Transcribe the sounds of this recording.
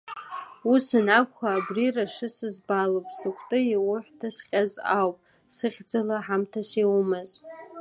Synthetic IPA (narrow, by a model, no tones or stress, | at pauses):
usɨnakʷχaːbriraʂɨsɨzbalopʼsɨkʷʰtʼɨiwʊħʷtʰasqʲʼazawpʼ | sɨχʲd͡zalaħamtʰasiwumɨz